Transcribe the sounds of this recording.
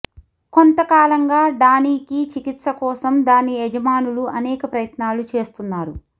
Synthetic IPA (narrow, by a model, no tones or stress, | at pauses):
ko̞nt̪ɐkaːlɐŋɡaːɖaːniːkit͡ʃikit̪sɐkɔːsɐmd̪aːnied͡ʒɐmaːnuluɐnɛːkɐpɾɐjɐt̪naːlut͡ʃe̞ːst̪unːaːɾu